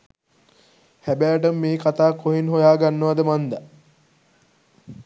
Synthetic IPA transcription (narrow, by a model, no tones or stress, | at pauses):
hæbæːʈ̬əmːeːkat̪aːkːoɦinɦojaːɡanːəʋad̪əmand̪ə